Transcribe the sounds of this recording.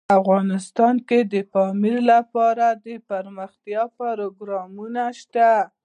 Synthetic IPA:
afɣɑnɪst̪ɑnked̪əfɑmiɾlapɑɾad̪əpaɾməxt̪jɑpaɾoɡɾɑmunaʃt̪a

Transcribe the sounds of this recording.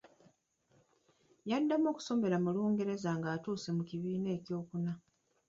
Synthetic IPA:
jadːamo̞ːku̥so̞me̞ɾamuluːŋɡe̞ɾe̞zaŋɡaːtuːse̞muciβiːne̞ːcjo̞ːkuna

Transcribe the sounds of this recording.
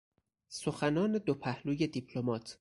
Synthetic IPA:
soxænɒːne̞d̪opʰæhluːje̞d̪ipʰlomɒːt̪ʰ

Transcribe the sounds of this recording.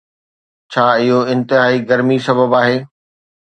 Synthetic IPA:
t͡ɕʰaːɪɦoɪ̃nt̪ɪɦaːiɡɐɾmisɐbəbaːɦeː

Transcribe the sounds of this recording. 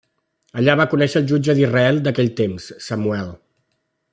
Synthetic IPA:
əʎaβakunɛʃəːlˠʒud͡ʒəðizrəɛlˠd̪əkɛʎt̪emsːəmuɛlˠ

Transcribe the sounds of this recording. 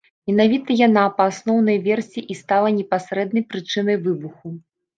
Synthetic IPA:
mʲɛn̪avʲit̪ɐjan̪apɐːsnɔwnɐjvʲɛrsʲiʔist̪alˠɐnʲɛpasɾɛd̪̚nɐjpɾɨt͡ʂɨnɐjvɨbuxu

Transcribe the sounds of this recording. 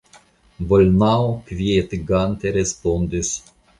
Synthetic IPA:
bolʲnawkvʲiet̪iɡant̪eɾespund̪es

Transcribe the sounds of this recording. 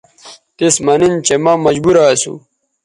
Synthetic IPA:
t̪ismɐnint͡ɕemɐmɐd͡ʑbuɾasṵ

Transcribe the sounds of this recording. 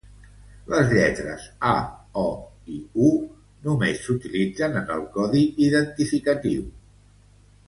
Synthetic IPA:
ləzʎɛt̪ɾə̰zaɔ | iu | numesːut̪ilid͡zənənə̰lˠkɔðiiðənt̪ifikət̪iw

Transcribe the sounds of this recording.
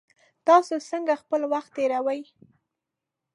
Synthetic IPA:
t̪ɑsosəŋɡaxpəlwaxt̪ːeɾawəj

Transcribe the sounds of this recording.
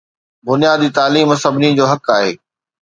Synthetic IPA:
bʊnijaːd̪iːt̪aːliːmɐsɐbnĩd͡ʑoːɦɐkaːɦḛː

